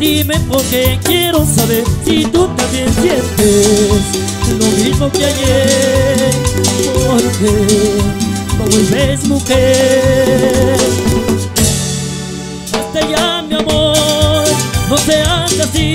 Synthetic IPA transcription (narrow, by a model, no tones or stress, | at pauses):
d̪imepoɾkekjeɾosaβeɾsit̪ut̪ãmbjensjent̪es | ulomimokeaje | oɾke | p̪oðeβesmuxe | ast̪ejamjamoɾboseand̪asi